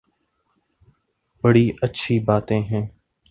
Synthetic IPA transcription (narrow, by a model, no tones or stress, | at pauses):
bəɽiːʔətːʃʰiːbaːt̪ẽːɦɛ̃ː